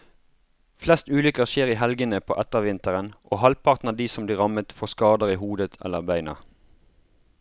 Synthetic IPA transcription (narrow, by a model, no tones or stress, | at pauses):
flɛst̪ʉːlʏkəʁʃeːʁiːhɛlɡənəpʰo̰ːʔɛt̪əʋɪnt̪əʁənʔoːhɑlpʰɑʁt̪n̩ɑd̪iːsɔmbliːʁɑmət̪fɔːʁskɑːd̪əʁiːhuːd̪ət̪ʰɛ̰ləʁbæɪnɑ̰ʁ